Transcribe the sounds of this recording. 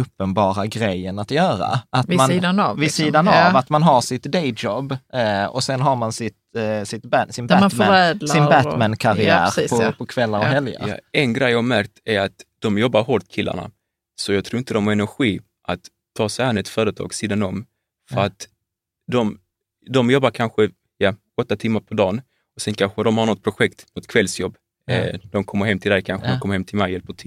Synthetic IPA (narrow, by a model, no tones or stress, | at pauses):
ɵpːənbɑːɾaɡɾɛjːənat̪jœːɾa̰ʔat̪manːd̪anvɪsiːd̪anaat̪manɦaʂɪt̪d̪ɛɪd͡ʒɔbɔsɛnɦaɾmansɪt̪sɪt̪b̪sɪnbæɛːd̪lsaɪnbæt̪mænkʰaɾɪæ̰ːɾːpʰɔpʰɔkʰvɛlːaɾɔɦhɛlja̰jɾa̰ɛnɡɾɛjːɑːhamæɾk̚t̪æɾat̪d̪̥ɔmjɔbːaɾɦɔɾt̪kʰɪlːʔa̰ɳa̰ | sɔjɑɡt̪ʰɾuːɪnt̪əd̪ɔmɛɛnæɾɧiː | ʔat̪ʰː | ɑːsɛhanɛt̪fœːɾət̪ʰɑ̰ːɡsiːd̪anɔm | fœɾat̪ | d̪ɔm | d̪ɔmjɔbːaɾkʰanɧə | ja | ɔt̪ːat̪ʰɪmːaɾpʰɔd̪ɑːn | ɔsɛnkʰanɧəhad̪ɔmhaɾnɔt̪̚pʰɾʊɧɛkt̪nɔt̪kʰvɛlsjɔbː | d̪̥ɔmkʰɔmːəɾhɛmːt̪ʰɪld̪ɛjkʰanɧədd̪ɔkɔmːəɾhɛmt̪ʰɪlmɛjɛlpəʈʰɪ